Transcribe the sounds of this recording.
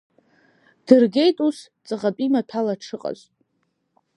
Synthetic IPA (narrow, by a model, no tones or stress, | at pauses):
d̥ɨrɡʲe̞jtʼus | t͡sʼɨʁapʼimapʰalaʈ͡ʂʰɨqʼa̰ztʼ